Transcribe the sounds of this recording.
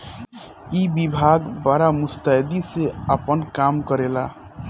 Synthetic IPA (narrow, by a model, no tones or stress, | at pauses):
ibibʱaɡbaɾamust̪ad̪iseapənkamkəɾela